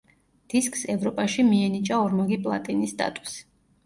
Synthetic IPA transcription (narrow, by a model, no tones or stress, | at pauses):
d̪̥iskʼsɛvɾɔpʼaʃimiɛnit͡ʃʼaɔɾmɔɡipʼlˠa̰t̪ʼinist̪ʼa̰t̪ʼu̥s